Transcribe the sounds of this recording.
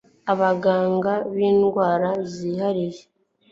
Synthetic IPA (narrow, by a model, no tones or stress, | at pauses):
aβaɡaːŋɡaβiːnɡwaːɾaziːhaɾije